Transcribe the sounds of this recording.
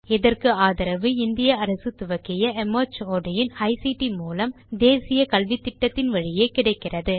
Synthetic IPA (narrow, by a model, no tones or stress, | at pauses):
ɛðɐrkɯaːðɐɾɐʋɯɪnd̪ɪjɐɐɾɐsɯt̪ʊʋɐkːɪjɐʔɛmoːt͡ʃoːɽɐjɪnɐɪsiʈːimuːlɐm | d̪eːsɪjɐkɐlʋit̪ːɪʈːɐt̪ːɪnʋɐɻɪjeːkɪɽɐɪkːɪrɐðɯ